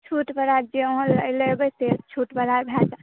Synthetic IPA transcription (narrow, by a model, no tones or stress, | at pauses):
t͡ʃʰuʈbəɾaɾd͡ʒeoɦə̃lələbəset͡ʃʰuʈbəɾaɾbʱɛt͡ʃ